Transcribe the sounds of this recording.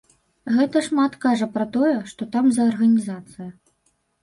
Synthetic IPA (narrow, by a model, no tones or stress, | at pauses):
ɣɛt̪ɐʂmat̪kaʐɐpɾɐt̪ɔjɛʂt̪ɔt̪amzɐːrɣɐnʲizat̪sɨjɐ